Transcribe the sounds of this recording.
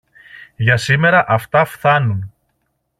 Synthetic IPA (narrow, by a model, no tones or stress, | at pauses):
ʝɐsime̞ɾɐʔɐft̪ɐfθɐnun